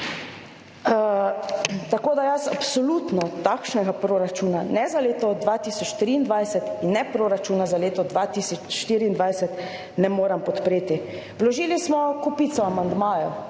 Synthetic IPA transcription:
t̪akoːd̪ajasa̰psɔlut̪nɔt̪akʃnɛɡapɾoːɾat͡ʃuːnanɛzaleːt̪ɔd̪ʋat̪isɔt͡ʃːt̪ɾiːnd̪ʋajsɛt̪inːɛpɾoːɾat͡ʃuːnazaleːt̪ɔd̪ʋat̪isɔt͡ʃʃt̪iːɾiːnd̪ʋajsɛt̪ | nɛmoːɾampɔt̪pɾeːt̪i | ʋlɔʒiːlismɔkupit̪sɔamand̪maːjɔ

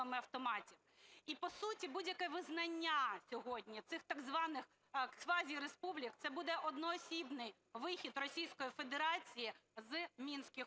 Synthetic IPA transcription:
ɐmɪɐwt̪ɔmɑtʲiw | ipɔsutʲibudʲjɐkɛʋɪznɐnʲːasʲɔɦɔdʲnʲit̪sɪxt̪aɡzʋɑnɪx | sʋɑzʲiɾespublʲikt̪ɛbud̪ɛʔɔd̪nɔːsʲibnɪj | ʋɪxʲid̪rɔsʲijsʲkɔjife̞d̪eɾɑt͡sʲijizmʲinsʲkɪx

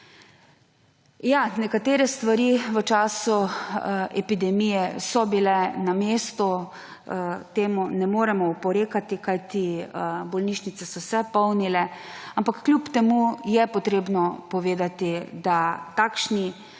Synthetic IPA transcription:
janɛkat̪eːɾɛst̪ʋaɾiʋət͡ʃaːsu | ɛpid̪ɛmijɛsɔbilɛnameːst̪ɔ | t̪eːmunɛmoːɾɛmɔupɔɾeːkat̪ikajt̪iəbɔlniʃnit̪sɛsɔwsɛpɔwnilɛampakːljupt̪ɛmujɛpɔt̪ɾeːbnɔpɔʋeːd̪at̪id̪at̪aːkʃni

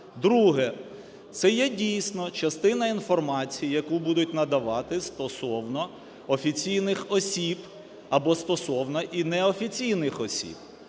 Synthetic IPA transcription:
d̪ɾuɦɛ | t̪sɛjɛdʲijsʲnɔt͡ʃɐst̪ɪnɐinfɔrmɑt͡sʲijijɐkubud̪ʊtʲnɐd̪ɐʋɑt̪ɪst̪ɔsɔwnɔ | ɔfʲit͡sʲijnɪxɔsʲib | ɐbɔst̪ɔsɔwnɔʔinɛɔfʲit͡sʲijnɪxɔsʲḭb̥

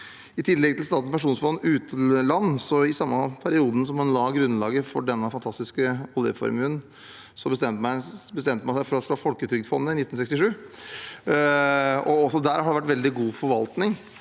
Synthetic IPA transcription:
ɪt̪ʰɪlːɛɡ̚t̪ʰɪlst̪ɑːt̪n̩spʰæʂuːnsfɔɑnːʉːt̪lɑnːsɔɪsɑmːɑpʰæɾɪuːd̪n̩s̬ɔmɛnlɑːɡɾʉnːlɑːɡəfɔɖɛnːəfɑnt̪ʰɑst̪ɪskəɔljə̰fɔ̰ɾmʉn | sɔbəst̪ɛmt̪mæɪbəst̪ɛmt̪əmæɪsæɪfɔɾɑsloːfɔlkət̪ʰɾʏɡ̚d̪fɔnːəɪnɪt̪ːn̩sɛkst̪ɪʂʉː | ɔɔsɔd̪æːɾhɑɖɛʋæʈːʋɛld̪ɪɡuːfɔɾʋɑlt̪nɪŋ

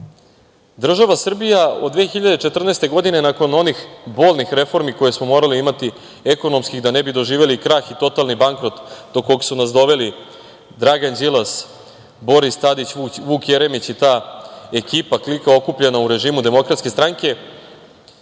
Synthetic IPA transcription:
d̪r̩ʒaʋasr̩bijaod̪d̪vʋeexiʎad̪et͡ʃet̪r̩neːst̪e̞ɡo̞d̪ine̞nako̞no̞nixbo̞ːlˠʲnixɾe̞fo̞ɾmiko̞je̞smo̞mo̞ːɾaliimat̪i | eko̞no̞mskiɣd̪anebid̪o̞ʒiːʋe̞likɾaːxit̪o̞t̪alnibaŋkɾo̞t̪d̪okːo̞ɡsunasd̪o̞ʋe̞li | d̪ɾaɡanzilas | bo̞ɾist̪ad̪it͡ɕuʋuːkjeɾe̞mit͡ɕit̪aːe̞kiːpaklikao̞kupʎe̞nauɾe̞ʒiːmud̪e̞mo̞kɾat̪skest̪ɾaŋke̞

